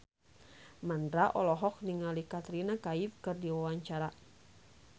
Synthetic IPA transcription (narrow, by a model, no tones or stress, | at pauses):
mandɾaʔɔlɔɦɔk̚niŋalikat̪ɾinakaifkɨrdiwawaɲt͡ʃaɾa